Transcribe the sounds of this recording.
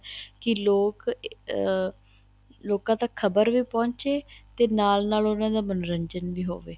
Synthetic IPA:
kɪloːk | loːkãːt̪akʰəbəɾʋiːpɔ̃ːɲt͡ʃeːt̪eːnaːlnaːlʊnãːd̪aːmənɾəɲd͡ʒənʋiːɦo̰ːʋḛː

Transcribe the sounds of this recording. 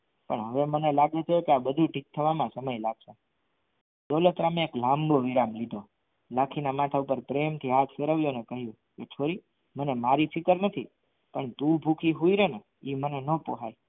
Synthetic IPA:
pə̰ɳɦəʋemənelaɡet͡ʃ̪ʰeekeabəd̪ʱũʈik̚t̪ʰəʋamãsəməjlaɡʃe | d̪olot̪ɾamẽːklãmboʋiɾamlid̪ʱo | lakʰinamat̪ʰaupəɾpɾemt̪ʰiɦat̪ʰfeɾəʋjonekəɦjũ | ket͡ʃʰoɾi | mənemaɾifɪkəɾnət̪ʰḭ | pəɳt̪ũbʱukʰiɦuiɾenə | imənenopo̰ɦaj

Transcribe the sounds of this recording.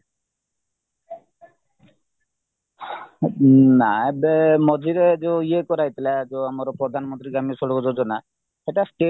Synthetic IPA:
naebemɔd͡ʒʱiɾed͡ʒeiekɔɾajt̪ilad͡ʒeamaɾɔpɾɔd̪ʱanmɔnt̪ɾiɡamisɔɽɔkɔd͡ʒɔd͡ʒɔna | eʈasʈe

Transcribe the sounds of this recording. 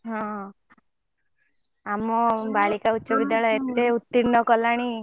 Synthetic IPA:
ɦɔ̃ɦ | amɔbaɭikautːʃɔbid̪jaɭɔet̪ːeut̪ːinnːɔkɔlaɽ̃i

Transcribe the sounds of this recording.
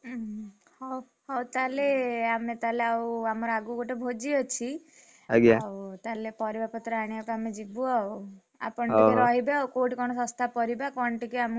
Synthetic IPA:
hɔ | ɦɔwt̪aleamet̪aleawamɔɾaɡuɡoʈebʱod͡ʒiɔt͡ʃʰi | aɡjawt̪alepɔɾibapɔt̪ɾɔaɽ̃iakamed͡ʒibuau | a̰pɔɳieɾɔɦibeakoʈkɔɽ̃ɔsɔ̃st̪ʰapɔɾibakɔɳʈikeam

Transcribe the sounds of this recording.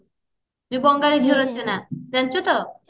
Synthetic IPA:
bubɔŋɡaɾid͡ʒʱiɾot͡ʃʰenad͡ʒant͡ʃut̪ɔ

